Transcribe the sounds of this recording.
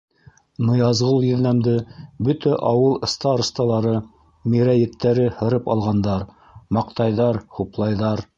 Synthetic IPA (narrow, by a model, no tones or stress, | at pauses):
nɤ̆jɑzʁɤlˠjɵ̆ðnæmd̪ɘbɵt̪æʔɑwɤlˠɤ̆st̪ɑɾɤ̆st̪ɑlˠɑɾɤ | miɾæjɘ̆t̪ːæɾɘhɤ̆ɾɤpɑlˠʁɑnd̪ɑɾ | mɑqt̪ɑjðɑɾhuplˠɑjðɑɾ